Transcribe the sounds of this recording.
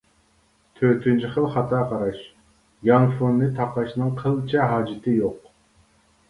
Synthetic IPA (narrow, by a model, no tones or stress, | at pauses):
t̪ʰøɾt̪ʰynt͡ʃʰiχəlˠχɑt̪ʰɑːqʰɑɾɑʃ | jɑŋfonːɨt̪ʰɑqɑʃnɨŋqʰəlˠt͡ʃʰɛɦɑːd͡ʒɪt̪ʰɪjoq